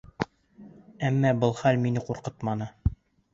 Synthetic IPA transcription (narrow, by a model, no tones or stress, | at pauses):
æmːæbɤlˠχælminɘquɾqɤt̪mɑnɤ